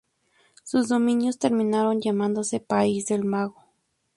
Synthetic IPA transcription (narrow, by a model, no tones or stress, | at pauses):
suzd̪ominjost̪eɾminaɾonjamand̪osepaizd̪elmaɣo